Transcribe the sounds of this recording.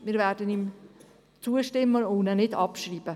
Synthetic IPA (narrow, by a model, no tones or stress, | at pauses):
mɪːɾvɛːɾdənim | t͡suəʃtɪmːəoːnənɪdɑpʃriːb̥ə